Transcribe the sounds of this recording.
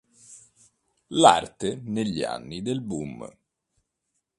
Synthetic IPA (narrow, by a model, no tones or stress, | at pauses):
lart̪eneʎːia̰nːid̪elbum